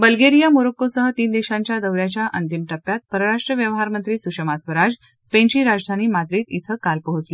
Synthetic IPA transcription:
bəlɡeɾijamoɾəkːosəɦət̪iːnd̪eɕãɲt͡ɕjad̪əʋɾjat͡ɕjaʔənt̪imʈəpːjat̪̚pəɾəɾaʂʈɾəʋjəʋɦaɾmənt̪ɾiːsuʂəmasʋəɾad͡ʑ | spẽɲt͡ɕiːɾad͡zd̪ʱaniːmat̪ɾiːt̪it̪ʰəkalpəɦut͡sle

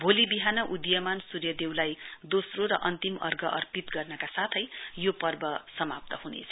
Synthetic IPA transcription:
bʱolibiɦanʌʔud̪jʌmansurjʌd̪ewlajd̪osroɾʌ̰ʔʌnt̪imʌ̰rɡʌʔʌrpit̪ɡʌrnʌkasat̪ʰʌjjopʌrbʌsʌmap̚t̪ʌɦunḛt͡sʰʌ̥

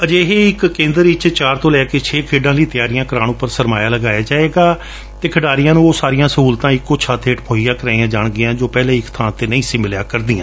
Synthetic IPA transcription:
əd͡ʒeːɦeːɪkːẽːnd̪əɾɪt͡ʃt͡ʃaːɾt̪õːlɛːkeːt͡ʃʰeːkʰeːɖãːləiːt̪ɪjaːɾɪjãːkəɾaːñʊpəɾsəɾmaːjaːləɡaːjaːd͡ʒaːeːɡaː | t̪eːkʰəɖaːɾɪjãːnũːoːsaːɾɪjãːsəɦuːlt̪ãːɪkːʊt͡ʃʰaːt̪ʰeːʈpʰoːijãːkəɾãːãːd͡ʒaːɳɡɪjãːd͡ʒoːpɛːlẽːɪkt̪ʰãːt̪eːnəĩːsɪmɪljaːkəɾd̪ɪːãː

